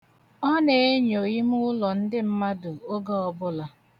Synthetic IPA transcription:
ɔ˦ne˨e˦ɲo˨ji˦mʊ˦ʊ˦lɔ˨n̩˦dɪ˦m̩˦ma˦dʊ˨o˦ɡa˦ɔ˨bʊ˦la˨

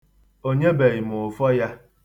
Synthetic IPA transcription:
o˦ɲe˦be˨i˨mʊ˨fɔ˦ja˦

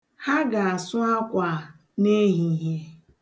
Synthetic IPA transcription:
ha˦ɡa˨a˨sʊ˦a˦kʷa˨ | ne˦ɦi˨ɦe˦

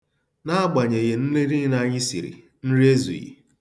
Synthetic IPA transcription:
na˦a˦ɡ͡ba˨ɲe˨ɣe˨n̩˦li˦ɾi˦na˨ɲɪ˦sḭ˨ɾḭ˨ | n̩˦ɾi˦e˦zṵ˨jḭ˨

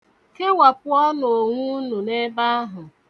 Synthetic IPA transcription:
ke˦wa˨pʊ˦ɔ˦no˨ŋʷu˦nu˨ne˦ba˦a˦ɦʊ˨

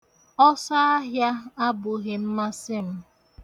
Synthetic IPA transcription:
ɔ˦sa˦a˦ɦja˦a˦bʊ˨ɣe˨m̩˦ma˦sɪ˦m̩˦

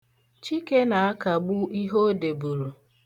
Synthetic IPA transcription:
t͡ʃi˦ke˦na˨a˦ka˨ɡ͡bʊ˦i˦ɦo˦de˨bu˨ɾu˨

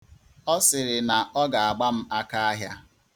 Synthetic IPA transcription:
ɔ˦sɪ˨ɾɪ˨na˨ʔɔ˦ɡa˨a˨ɡ͡ba˦m̩˦a˦ka˦a˦ɦja˦

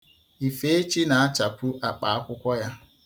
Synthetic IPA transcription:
i˨fe˦e˦t͡ʃi˦na˨a˦t͡ʃa˨pʷu˦ʔa˨k͡pa˨a˦kʷʊ˦kʷɔ˦ja˦

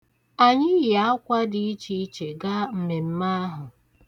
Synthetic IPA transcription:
a˨ɲɪ˦ja˦a˦kʷa˦dɪ˦i˦t͡ʃi˦t͡ʃe˨ɡa˦m̩˨me˨m̩˦ma˦a˦ɦʊ˨

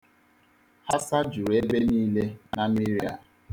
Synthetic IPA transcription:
ha˦sa˦d͡ʒu˨ɾe˨˦be˦niː˦le˦na˦mi˦ɾi˦a̰˨

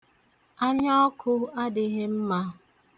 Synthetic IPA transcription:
a˦ɲɔ˦ɔ˦kʰʊ˦a˦dɪ˨ɣɪ˦m̩˦ma˦

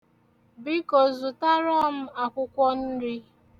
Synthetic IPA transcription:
bi˦ko˨zu˨ta˦ɾɔ˦m̩˦a˨kʷʊ˦kʷɔ˦n̩˦ɾi˦

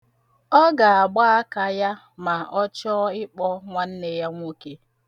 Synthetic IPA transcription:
ɔ˦ɡa˨a˨ɡ͡ba˦a˦ka˨ja˦ | ma˨ʔɔ˦t͡ʃɔ˦ɪ˦k͡pɔ˦ŋʷa˦n̩˦ne˨ja˦ŋʷo˦ke˦

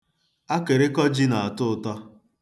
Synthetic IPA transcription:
a˦ke˨ɾɪ˦kɔ˦d͡ʒi˦na˨a˨tʊ˦ʊ˨tɔ˦

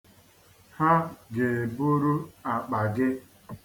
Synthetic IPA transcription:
ha˦ɡe˨bʊ˦ɾu˦a˨k͡pa˨ɡɪ˦

